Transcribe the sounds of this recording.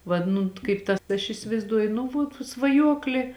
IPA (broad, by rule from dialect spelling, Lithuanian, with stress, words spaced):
ʋɐt ˈnʊ kɐɪp ˈtɐ ɐʃ ɪsʲɪʋɐɪzˈduɔjʊ nʊ ʋuɔt sʋɐˈjuɔklʲeː